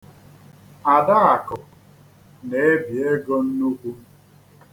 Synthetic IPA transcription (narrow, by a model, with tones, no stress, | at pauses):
a˨da˦a˨kʊ˨ | ne˨e˦bi˨e˦ɡɔ˦n̩˦nu˦kʷu˦